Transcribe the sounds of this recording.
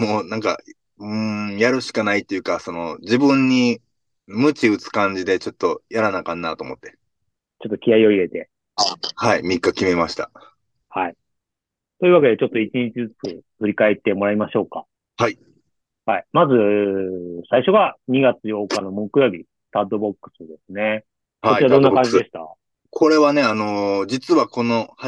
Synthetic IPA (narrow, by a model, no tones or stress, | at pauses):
moːnãŋka̰ | ɯ̃jaɾɯ̟ɕi̥kanait̪ːo̞jɯ̟ːkaso̞no̞d͡ʑibɯ̃ɲ̟ːi | mɯ̟t͡ɕiɯ̟t͡sɨ̥kãɲ̟d͡ʑid̪e̞t͡ɕo̞t̪ːo̞jaɾanakanːat̪oːmo̰t̪ːe̞ | t͡ɕo̞t̪ːo̞kʲijaio̞iɾe̞t̪e̞ | haimʲikːakʲime̞maɕi̥t̪a̰ | hai | t̪o̞jiɯ̟βake̞d̪e̞t͡ɕo̞t̪ːo̞it͡ɕiɲ̟it͡ɕizɨt͡skɨɸɾʲikae̞t̪ːe̞mo̞ɾaimaɕo̞ːka | hai | haimazɨ | saiɕo̞ɡaɲ̟iɡat͡sɨjo̞ːkano̞mokɯjo̞ːbʲist̪ad̪o̞bo̞kːɯ̟̥sɨd̪e̞sɨne̞ | hot͡ɕiβad̪o̞nːakãɲd͡ʑid̪e̞ɕi̥t̪a | kʰo̞ɾe̞βane̞anod͡ʑit͡sɨβako̞no̞h